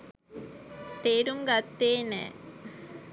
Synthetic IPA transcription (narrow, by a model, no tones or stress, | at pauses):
t̪eːɾuŋɡat̪ːeːnɛ̰ː